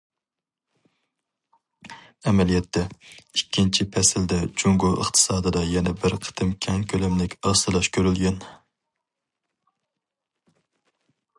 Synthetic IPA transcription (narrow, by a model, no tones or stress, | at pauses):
ɛmɛlijɛt̪ʰːɛikʲʰːint͡ʃʰipʰɛsɪld̪ɛd͡ʒuŋɡoʔə̰χt̪ʰɨ̥sɑːd̪ɨd̪ɑjɛnɛbɪɾqʰə̥t̪ʰɨmkʲʰɛŋkʲʰølɛmlɪkʲɑsɨlˠɑʃkʲʰøɾylɡʲɛn